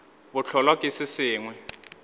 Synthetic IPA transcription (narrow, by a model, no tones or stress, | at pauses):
bʊt͡ɬʰɔlwakʼɪsɪsɪːŋwɛ